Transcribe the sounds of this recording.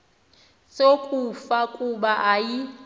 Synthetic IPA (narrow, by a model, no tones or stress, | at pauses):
sokʼufakʼuɓaʔaji